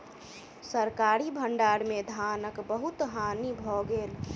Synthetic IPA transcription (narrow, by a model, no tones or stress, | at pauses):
səɾkaɾibʱəɳɖaɾmed̪ʱanəkbəɦut̪ɦanibʱɔɡeːl